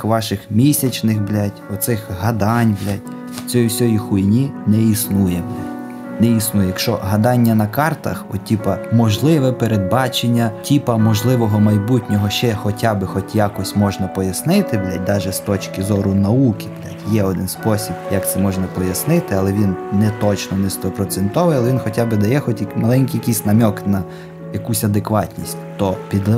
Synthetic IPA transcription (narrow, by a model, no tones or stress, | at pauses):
xʋɑʃɪxmʲisʲɐt͡ʃnɪxblʲatʲɔt̪sɪxɦɐd̪ɑnʲblʲatʲ | t͡sʲɔjiwsʲɔjixujnʲinɛisnujɛblʲatʲ | nɛisnujɛjɐkʃt͡ʃɔ̰ɦɐd̪ɑnʲːɐnɐkɑrt̪ɐ̰xɔtʲipɐmɔʒlˠɪʋɛpeɾed̪̚bɑt͡ʃenʲːɐtʲipɐmɔʒlˠɪʋɔɦɔmɐjbutʲnʲɔɦɔʃt͡ʃɛxɔtʲabɪxɔtʲjɑkɔsʲmɔʒnɐpɔjɐsnɪt̪ɪblʲat̚ʲd̪ɑʒɛst̪ɔt͡ʃkɪzɔɾʊnɐukɪ̥blʲatʲjɛɔd̪ɪnspɔsʲib̥jɐkt̪sɛmɔʒnɐpɔjɐsnɪt̪ɪɐlˠɛʋʲinnɛt̪ɔt͡ʃnɔnɛst̪ɔpɾɔt̪sɛnt̪ɔʋɪjɐlɛʋinxɔtʲabɪd̪ɐjɛxɔtʲjɐmɐlˠɛnʲkʲijɐkʲisʲnɐmʲɔknɐ | jɐkusʲɐd̪ekʋɑtʲnʲisʲtʲt̪ɔpʲid̪ˠ